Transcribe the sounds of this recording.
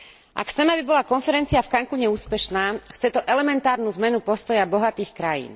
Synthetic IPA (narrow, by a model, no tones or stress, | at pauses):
ʔa̰kxt͡sɛmabibɔlakɔnfɛɾɛnt͡siafkaŋkuɲɛuːspɛʃnaːxt͡sɛt̪ɔʔɛlɛmɛnt̪aːɾnuːzmɛnupɔst̪ɔjabɔɦat̪iːxkɾajḭːn